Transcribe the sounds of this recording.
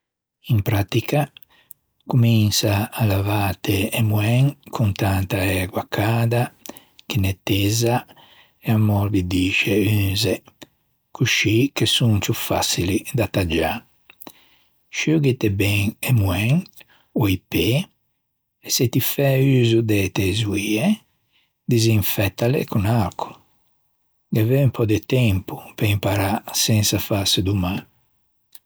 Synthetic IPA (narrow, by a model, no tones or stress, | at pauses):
impɾat̪ika | kuminsaalavaːt̪eːmwɛŋkʰunt̪ant̪aɛːɡwakʰaːd̪a | kenet̪ːɛza | eamɔɾd̪id̪iːʃeynze | kuʃikesuŋt͡ʃufa̰silid̪at̪ad͡ʒa̰ | ʃuɡit̪ɛbɛŋɛmuɛŋ | ɔipe | ɛset̪ifɛyːzud̪ɛt̪ɛzuiɛ | d̪iziɱfɛt̪ːalḛkunaɾkʰu̥ | ɡavɛumpʰɔd̪et̪ɛmpupeimpaɾasɛnsafasud̪uma